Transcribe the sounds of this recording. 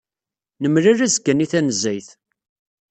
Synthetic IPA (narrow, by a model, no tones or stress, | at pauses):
nəmlaræzɡæniθænəzːæjθ